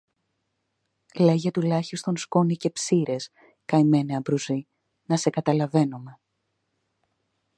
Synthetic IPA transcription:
le̞ʝet̪ulɐçist̪o̞nsko̞nice̞psiɾe̞s | kɐjime̞neɐbɾuzi | nɐse̞kɐt̪ɐlɐve̞nome̞

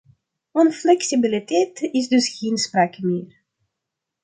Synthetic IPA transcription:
ɔnflɛksibilitɛːtɪzdɵsɣeːnspraːkəmɪːr

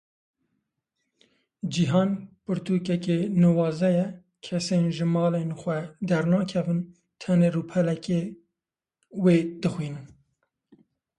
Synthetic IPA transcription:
d͡ʒiɦɑːnpɨɾt̪uːkɛkenɨwɑːzɛjɛ | kʰɛseːnʒɨmɑːlenxwɛd̪ɛɾnɑːkʰɛvɨn | t̪ʰɛneruːpʰɛlɛke | weːd̪ɨxwiːnɨn

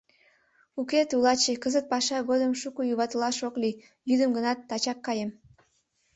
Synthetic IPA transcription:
uket̪ulˠɑt͡ɕekəzət̪̚pɑʃɑɣod̪əmʃukujuβɑt̪əlɑʃokli | jyd̪əmɡənɑt̪ːɑt͡ɕɑkːɑjem

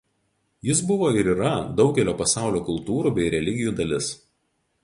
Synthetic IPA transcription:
jɪsbʊʋoːɪɾiːɾɐd̪ɒʊɡʲɛlʲoːpɐsɑˑʊlʲoːkʊlˠt̪uːɾuːbʲɛɪɾʲɛlʲɪɡʲɪjuːd̪ɐlʲɪs

